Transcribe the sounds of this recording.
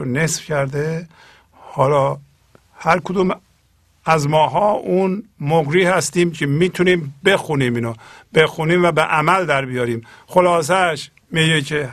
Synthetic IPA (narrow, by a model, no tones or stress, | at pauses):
onesfcʰæɾd̪e | hɒːlɒː | hæɾkʰod̪um | æzmɒːɦɒːunmoɡɾiːhæst̪iːmcʰemiːt̪ʰuniːmbexuniːminob̥exuniːmvæbeʔæmæld̪æɾbijɒːɾiːmxolɒːs̬æʃ | miːɟecʰe